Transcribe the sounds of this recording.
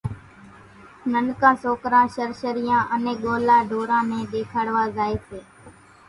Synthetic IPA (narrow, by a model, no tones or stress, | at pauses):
nənkãːsoːkɾãːʃəɾʃəɾijãːʔəneːkɠoːlaːɖʱoːɾãːmẽːɗeːkʰaːɽʋaːzaːeːseː